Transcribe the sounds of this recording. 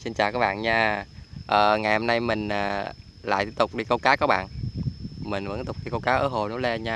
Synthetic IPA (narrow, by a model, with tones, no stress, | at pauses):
si˧nt͡ɕa̰ː˧˨wkaː˨˦˥ɓa̰ː˧˨nɲaː˧ʔəː˨˩ŋa˨˩jho˧mna˧jmï˨˩ŋ̟əː˨˩ | la̰ː˧˨jt̪t̪ʊ˨˩k͡p̚ɗi˧kə˧wkaː˨˦kɔː˨˦˥ɓa̰ː˧˨nʔ | mï˨˩ŋ̟və̰˧˥nt̪ʊ˨˩k͡p̚ɗi˧kə˧wkaː˨˦wʔəː˧˩ɦo˨˩nu˨˦lɛ˧ɲaː˧